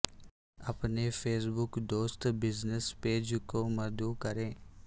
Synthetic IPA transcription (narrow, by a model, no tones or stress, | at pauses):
ɐpnepʰeːs̬bʊkd̪oːst̪bɪznəspeːd͡ʒkomɐd̪ukəɾẽː